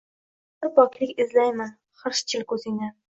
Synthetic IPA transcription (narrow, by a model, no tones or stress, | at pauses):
bɪɾbɒkʲlɪkʲɪzlajman | χɨɾʃt͡ʃʰɪlkʰɵzɪŋa